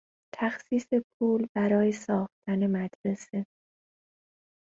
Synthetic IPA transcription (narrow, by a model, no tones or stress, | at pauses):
t̪ʰæxsiːse̞pʰuːlbæɾɒːje̞sɒːxt̪ʰæne̞mæd̪̥ɾese̞